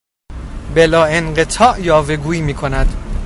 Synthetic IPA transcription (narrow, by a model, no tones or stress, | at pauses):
belɒːenɢe̞t̪ʰɒːʔjɒːve̞ɡuːiːmiːkʰonæd̪